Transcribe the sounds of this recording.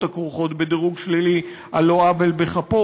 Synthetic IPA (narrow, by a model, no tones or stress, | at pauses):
t̪akʁuχo̞t̪bed̪iʁuɡʃlili | aloavelbeχapo